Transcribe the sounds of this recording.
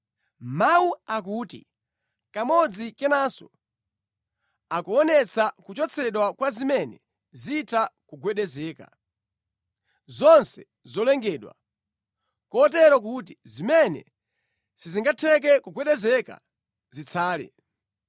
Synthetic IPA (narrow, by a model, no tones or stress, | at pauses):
mawuak̬uːtḭ | kamɔd͡zikɛnasɔ̰ | akuɔnɛt͡sʰakut͡ʃɔt͡sʰɛɗwakwazimɛnɛ | zitʰakuɡwɛɗɛzɛːka̰ | zɔnsɛ | zɔlɛŋɡɛːɗwa̰ | kɔːt̬ɛɾɔk̬ut̬izimɛnɛ̰ | siziŋɡatʰɛk̬ɛkuɡwɛɗɛzɛka̰ | zit͡sʰaːlɛ̰